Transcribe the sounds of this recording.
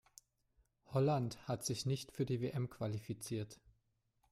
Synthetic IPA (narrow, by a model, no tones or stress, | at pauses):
hɔlanthatz̥ɪçnɪçtfyːɐdiːveːʔɛmkʰv̥alifit͡siːɐt